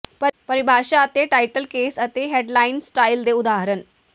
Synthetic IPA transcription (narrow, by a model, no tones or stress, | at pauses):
pəpəɾibʱaʂaːt̪eʈajʈəlkesət̪eɦeɖlainsʈajld̪eud̪aɦəɾəɳ